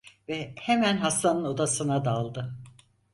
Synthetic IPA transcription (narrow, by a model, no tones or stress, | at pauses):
vɛhemænɦast̪anɯno̞d̪asɯnad̪alˠd̪ɯ